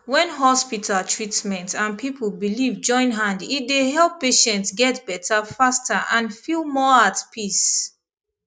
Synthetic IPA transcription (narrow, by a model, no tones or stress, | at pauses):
wɛ̃nɦɔspitʰalˠtʰɹitmɛ̃ntãnpʰipl̩bilivd͡ʒɔ̃ɪ̃nɦãnditdeɦɛlˠpːeʃɛ̃ntsɡɛtbɛtʰafastaʔãnfilˠmɔatpʰis